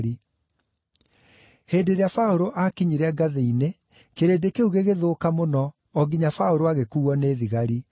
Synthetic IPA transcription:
ɾi | heːdeɾeafaoɾoʔakiɲiɾɛɡaðeine | keɾedekeuɣeɣeðoːkamonɔ | ɔɡiɲafaoɾoaɣekuːɔneːðiɣaɾi

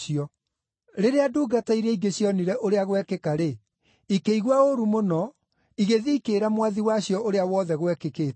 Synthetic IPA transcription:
iɔ | ɾeɾeaduːɡataiɾɛiɡeɕjɔniɾɛʔoɾeaɣwɛkekaɾe | ikeiɣwaoɾumonɔ | iɣeðiːkeːɾamwaðiwaɕjɔoɾeawɔːðɛɣwɛkekeːt

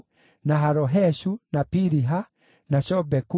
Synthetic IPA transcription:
naɦaɾɔɦɛʃunapiɾiɦa | naʃɔbɛku

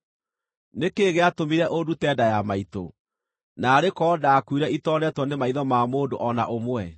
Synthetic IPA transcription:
nekeːɣeatomiɾɛʔodutɛdajamaito̰ | naːɾekɔːdakuiɾɛitɔnɛtwɔnemaiðɔmamoːndoʔɔnaʔomwɛ

